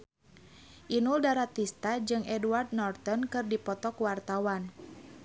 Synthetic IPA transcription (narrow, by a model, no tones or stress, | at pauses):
ʔinuldaɾat̪ist̪ad͡ʒɨŋʔɛduard̪̚nɔrt̪ɔnkɨrdipɔt̪ɔkuwart̪awan